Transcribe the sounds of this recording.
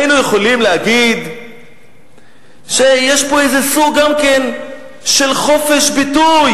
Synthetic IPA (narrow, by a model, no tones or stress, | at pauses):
inujeχo̞limlehaɡid̪ | ʃe̞jeʃpo̞ejzesuɡɡamke̞n | ʃe̞lχo̞fe̞ʃbituj